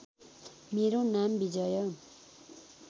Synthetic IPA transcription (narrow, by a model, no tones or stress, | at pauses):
meɾonambid͡ʒʌjʌ